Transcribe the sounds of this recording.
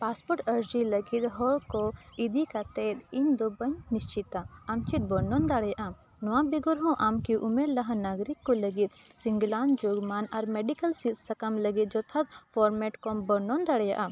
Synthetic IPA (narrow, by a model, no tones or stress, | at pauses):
paːspɔʈɐɾd͡ʒilɐɡit̪ɦɔɭkɔid̪ikat̪eːt̪ind̪obɐɲnist͡ʃit̪aɐmt͡ʃit̪̚bɔnɔnd̪aɽjaʔa | nɔwãbiɡɔɾɦɔ̃ʔamkiʔumeɾlɐɦãnaɡɾikːolɐɡit̪̚siŋɡlaːnd͡ʒoɡmaːnaɾmɛɖikəlsit̪sɐkamlɐɡit̪̚d͡ʒɔt̪ʰɐt̪pʰɔɾmɛʈkɔmbɔɾnɔnd̪aɽja̰ʔa